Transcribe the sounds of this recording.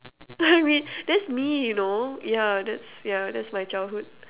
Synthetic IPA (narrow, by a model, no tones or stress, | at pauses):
aɪmĩnd̥ɛtsmijunojadɛtsjadɛtsmajt͡ʃaɪldhud̥̚